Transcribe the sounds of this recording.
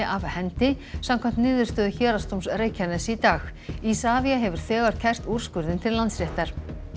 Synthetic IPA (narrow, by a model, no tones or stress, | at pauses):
ʔavhɛnt̪ɪsamkʰvam̥t̪nɪːðʏɾ̥st̪œːðʏçœːɾast̪owmsreːjcʰanɛsit̪aːx | isaːviaɦɛvʏɾ̥θɛːɣaɾ̥cʰɛjr̥t̪uɾ̥skʏɾðɪnt̪ʰɪllant̪sɾɛht̪aɾ̥